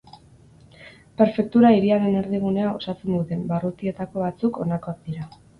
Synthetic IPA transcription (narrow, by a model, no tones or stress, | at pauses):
pe̞ɾfe̞k̚t̪uɾaiɾiaɾe̞ne̞ɾðiɣ̞une̞ao̞̰sat͡send̪ut̪e̞mbarut̪ie̞t̪ako̞βat͡suko̞nako̞ak̚d̪iɾa